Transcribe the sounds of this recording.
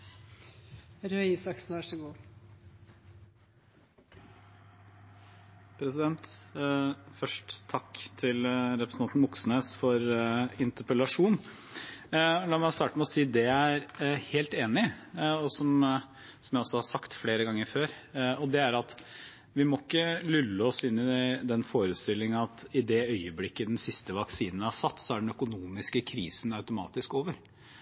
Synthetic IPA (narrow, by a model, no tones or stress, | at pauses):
ɾøːisɑksnʋæʂəɡuː | pʰɾɛsɪd̪ɛnt̪ | fœʂʈt̪ʰɑkːt̪ʰɪlɾɛpɾəsnɑnn̩ʋɔksn̩əsfɔɾɪnt̪əɾpəlɑʂuːn | lɑːmɛst̪ɑːʈəmɛɔsiːd̪ɛæɾheːlt̪eːnɪɔsɔm | sɔmjæɪɔsːɔhɑsɑkt̪fleːɾəɡɑŋːəɾføːɾɔd̪ɛæɾɑt̪ | ʋɪmɔɪkːəlʏlːəɔsɪnːɪd̪ɛnfoːɾəst̪ɪlːɪŋənɑt̪ɪd̪ɛœʏəblɪkːəd̪ɛnsɪst̪əʋɑksiːnənhɑsɑt̪ːsɔæɖɛɳ̩œkʊnuːmɪskəkʰɾiːsn̩ɑʉt̪ʊmɑ̰ːt̪ɪskoːʋəɾ